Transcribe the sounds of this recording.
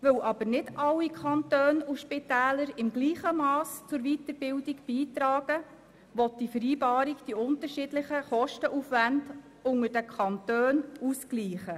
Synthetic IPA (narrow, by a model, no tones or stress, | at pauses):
ʋɵwʔɑbəɾnɪdɑlːikʰɑntøːnuʃpitæːləɾɪmɡliːχəmɑːst͡sʊɾʋitəɾbɪldiɡb̥iːtɾɑːɡ̥ə | ʋɔt̚d̥ifəɾiːbɑːɾiɡd̥iʊntəɾʃidlɪχəχɔʃtəʔufʋænd | ʊŋəɾd̥əkʰɑntøːnuskliːχə